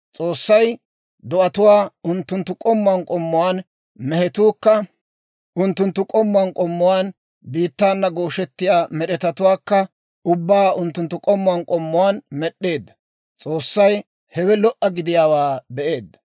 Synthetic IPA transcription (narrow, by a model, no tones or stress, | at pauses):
t͡sʼo̞ːsːɐj | d̪ɔʔɐt̪ʊwaːʊnt̪ːʊnt̪ːʊkʼɔmːʊankʼɔmːʊwaːn | mɛhɛt̪uːkːɐ | ʔʊnt̪ːʊnt̪ːʊkʼɔmːʊwankʼɔmːʊwaːn | biːt̪ːaːnːɐɡoːʃɛt̪ːɪjaːmɛɗɛt̪ɐt̪ʊwaːkːɐ | ʊbːaːʊnt̪ːʊnt̪ːʊkʼɔmːʊwankʼɔmːʊwaːnmɛɗːe̞ːd̪ːɐ̥ | t͡sʼo̞ːsːɐj | hɛwɛlɔʔɐɡɪd̪ɪjaːwaːbɛʔe̞ːd̪ːɐ̥